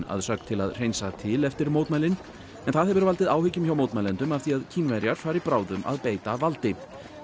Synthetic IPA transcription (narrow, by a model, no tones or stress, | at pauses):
na̰ðsœk̚t̪ʰɪla̰ðr̥ejnsat̪ʰɪlɛft̪ɪɾmowt̪majlɪn | ɛnθaðhɛvɪɾvalt̪ɪðaːwhɪcʏmçawmoːwt̪majlɛnt̪ʏmafθiaðcʰiːnvɛɾjaɾ̥faːɾɪpɾaːwðʏma̰ðpeːjt̪avalt̪ɪ